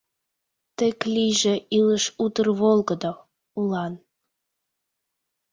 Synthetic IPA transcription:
t̪ĕklʲijʒĕiləʃut̪ərβolˠɡəd̪o | ulɑn

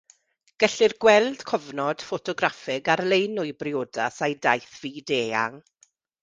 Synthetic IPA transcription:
ɡ̥ɛɬɪrɡwɛlˠd̥kʰɔvnɔd̥fɔtʰɔɡɾafɪɡarlˠejnʊɨbrɪoːda̰sajdajθv̥iːdeːa̰ŋ

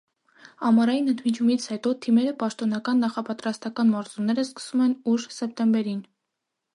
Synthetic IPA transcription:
ɑmɑɾɑjinənt̪ʰmit͡ʃʰumit͡sʰhɛt̪ɔt̪ʰimɛɾəpɑʃt̪ɔnɑkɑnːɑχɑpɑt̪ɾɑst̪ɑkɑnmɑɾzunːɛɾəskə̥sumɛnuʒsɛp̚t̪ɛmbɛɾin

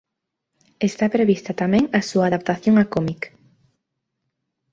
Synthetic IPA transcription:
est̪apɾeβist̪ɐt̪amɛ̃ŋasuaːðap̚t̪aθjoŋakomik

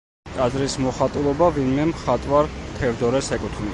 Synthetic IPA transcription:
t̪ʼazɾismɔχat̪ʼulˠɔbavinmɛmχat̪ʼwaɾt̪ʰɛɾd̪ɔɾɛsɛkʼut̪ʰni

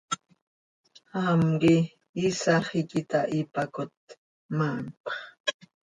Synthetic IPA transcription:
amɢɪː | saχɪkɪt̪aʔɪpakʊt̪̚ | manpɑ̥χ

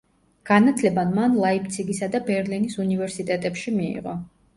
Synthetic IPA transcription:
ɡ̥anat̪ʰlɛbanmanlˠaip̚ʰt̪sʰiɡisad̪abɛɾlinisunivɛɾsit̪ʼɛt̪ʼɛpʃimiḭʁɔ̰

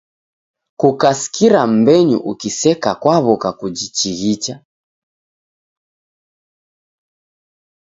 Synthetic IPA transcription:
kukasi̥kiɾam̩bɛɲṵʔukisɛkakwaβɔkakud͡ʒit͡ʃiɣit͡ʃa

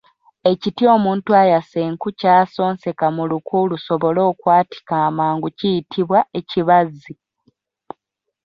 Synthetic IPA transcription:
e̞citio̞ːmuːntuajaseːŋkucaːso̞ːnse̞kamulukʰuːluso̞βo̞lo̞ːkwaːti̥kaːmaːŋɡucijitʰiβwae̞ciβazːi

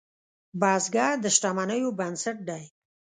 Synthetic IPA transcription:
bɑzɡɑɾd̪əʃʈamanəjobansaʈ̚ɖajk

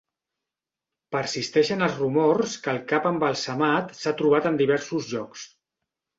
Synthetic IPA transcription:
pəɾsist̪ɛʃənəlˠzrumorskəlˠkapəmbəlˠsəmat̪sat̪ɾuβ̞at̪ənd̪iβɛɾsuzʒɔks

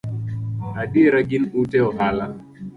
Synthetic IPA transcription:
haɗiɾaɡinɗutɛɔɦala

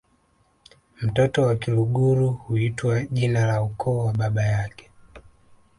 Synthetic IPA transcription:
m̩tɔtɔwakiluɡuɾuhuitwaʄinalaukʰɔːwaɓaɓajakɛ̥

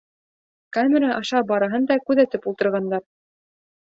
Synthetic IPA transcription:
kamʲeɾaʔɑʃɑbɑɾɑɦɤnd̪ɑkʉðæt̪ɘpulˠt̪ɤ̆ɾʁɑnd̪ɑɾ

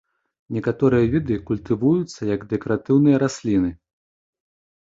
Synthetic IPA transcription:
nʲɛkat̪ɔɾɨjɐvʲid̪ɨkulʲt̪ɨvujut̪sːɐjɐɡd̪ɛkɔɾat̪ɨwnɨjɐɾasʲlʲinɨ

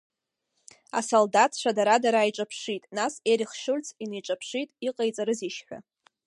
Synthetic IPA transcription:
a̰soldatʰʂʷadaɾadaɾajʈ͡ʂʼapʰʂitʼnaseɾiχʃʊlt͡sʰinejʈ͡ʂʷʼapʰʂitʼiqʼejt͡sʼaɾɨziʃħʷᶣa̰

